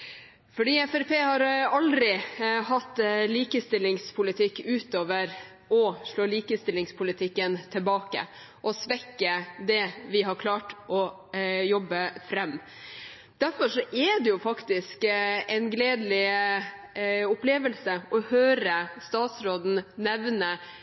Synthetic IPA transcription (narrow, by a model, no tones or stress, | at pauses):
fɔɖiːɛfæɾpʰeːhɑɾɑld̪ɾɪhɑt̪ːliːkəst̪ɪlːɪŋspʰʊlɪt̪ʰɪkːʉːt̪oːʋəɾ | ɔʂɭoːliːkəst̪ɪlːɪŋspʰʊlɪt̪ʰɪkːənt̪ʰɪlbɑːkə̰ | ʔɔsʋɛkːəd̪ɛʋɪɦɑɾkʰlɑːʈʔɔ | jɔbːəfɾɛmː | d̪̥æɾfɔʂɔʔɛd̪ɛjʊfɑkt̪ɪskɛnɡleːd̪lɪ | ʊpleːʋəlsəʔɔhøːɾəst̪ɑːt̪sɾoːd̪n̩nɛʋnə